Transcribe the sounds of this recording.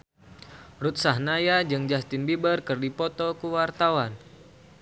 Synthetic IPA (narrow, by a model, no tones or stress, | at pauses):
rut̪sahnajad͡ʒɨŋd͡ʒast̪ɪnbibərkɨrdipɔt̪ɔkuwart̪awan